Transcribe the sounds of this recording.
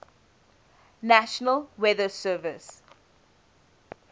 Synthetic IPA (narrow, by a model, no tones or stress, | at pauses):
naʃənəlwɛðəsɜːvɪs